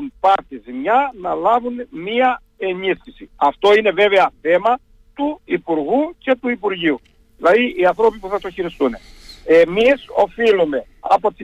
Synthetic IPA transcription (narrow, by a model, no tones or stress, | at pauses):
unpɐɾt̪izmɲɐnɐlɐvunmiɐ | e̞nisçisiɐft̪o̞ine̞ve̞veɐθe̞mɐ | t̪uipuɾɣuce̞t̪uipuɾʝiu | ðilɐðiʔiɐnθɾo̞pipuθɐt̪o̞çiɾist̪uneemiso̞̰filume̞ | ɐpot̪i